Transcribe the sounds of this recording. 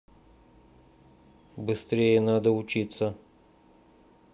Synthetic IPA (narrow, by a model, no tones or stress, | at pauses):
bɨst̪ɾʲejənad̪əʊt͡ɕit̪sə